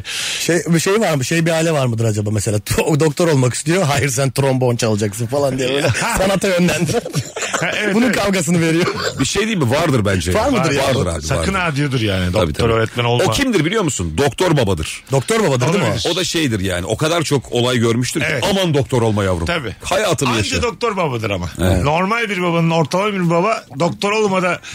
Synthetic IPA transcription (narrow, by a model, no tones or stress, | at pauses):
ʃejbʃe̞jvaɾmɯʃe̞jbiaːlʲɛvaɾmɯd̪ɯɾad͡ʒabaːmese̞lʲaːd̪o̞k̚t̪ʰo̞ɾo̞lˠmaki̥st̪ijo̞ɦaːjiɾs̬ænt̪ɾo̞mbo̞nt͡ʃʰalˠɯd͡ʒaksɯnfalˠand̪ijɛøjlʲɛsanat̪ʰajønlʲænd̪iɾ | bununkʰalˠɡas̬ɯnɯve̞ɾijobiʃejd̪iːmivaɾd̪ɯɾbænd͡ʒɛvaɾmɯd̪ɯɾvaɾd̪ɯɾa̰bisaa̰ɯnæɾd̪ijod̪iɾjaːniabḭt̪ʰaoɾøːɾɛt̪mɛnolˠocʰimd̪iɾbilʲijo̞musund̪o̞k̚t̪ʰo̞ɾbabad̪ɯɾ̥d̪ok̚t̪oɾbabad̪ɯɾd̪mo̞d̪aʃejd̪iɾja̰ːniʔo̞kad̪aɾt͡ʃʰo̞kʰolˠajɟøɾmyʃt̪ʰyɾeɛamand̪o̞kt̪ʰo̞ɾo̞lˠmajavṵɾ̰t̪ʰabiːhajaːt̪ʰɯmmajad͡ʒɛd̪ok̚t̪o̞ɾbabad̪ɯɾamaɛno̞ɾmalʲbiɾbabanɯno̞ɾt̪ʰalˠaiɾbabad̪o̞k̚t̪ʰo̞ɾo̞lˠmad̪a